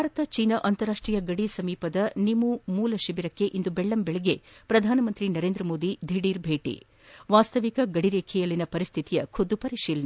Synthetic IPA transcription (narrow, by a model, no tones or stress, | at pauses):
bʱaːɾɐt̪ɐt͡ʃiːnɐʔɐnt̪ɐɾaːʂʈɾiːjɐɡɐɽisɐmiːpɐd̪ɐnimumuːlɐʃibiɾɐkːe̞ʔind̪ubeɭːɐmbeɭɛɡepɾɐd̪ʱaːnɐmɐnt̪ɾinɐɾeːnd̪ɾɐmoːd̪id̪ʱiɽiːɾbʱeːʈḭ | ʋaːst̪ɐʋikɐɡɐɽiɾeːkʰɛjɐlːinɐpɐɾist̪ʰit̪ijɐkʰud̪ːupɐɾiʂiːlɐnɐ